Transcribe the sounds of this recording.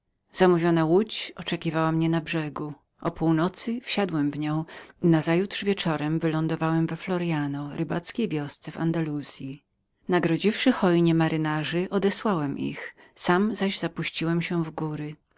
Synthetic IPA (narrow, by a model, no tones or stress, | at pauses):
z̥amuvʲjɔnawut͡ɕɔt͡ʂɛkʲivawamɲɛnabʐɛɡu | ʔɔpuwnɔt̪sɘfɕad̪wɛmvɲɔ̃w̃inazajut̪ʂvʲjɛt͡ʂɔɾɛmvɘlɔnd̪ɔvawɛmvɛflɔɾjanɔɾɘbat̪skʲejvʲjɔst̪sɛva̰nd̪aluz̥ʲji | naɡɾɔd͡ʑifʂɘxɔjɲɛmaɾɪnaʐɘʔɔd̪ɛswawɛmʔḭx | samzaʑzapuɕt͡ɕiwɛmɕɛvɡuɾɘ